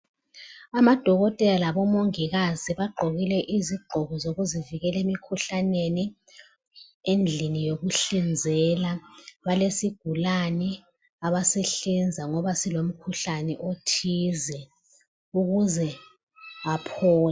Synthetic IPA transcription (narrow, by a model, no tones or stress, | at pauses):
amad̥ʱɔɣɔtʼɛlalaβɔmoŋiɣaziβaɡ͡ǃʱoɣilɛʔiziɡ͡ǃʱɔɣɔzoɣuziviɣɛlemikʰuɬaneni | end͡ɮʱinijoɣuɬind͡zʱɛlaβalesiɡ̥ʱulanɛ | aβasɛɬind͡zʱaŋɔβasilom̩kʰuɬanɛʔotʰizɛ | uɣuzɛ | apʰɔːla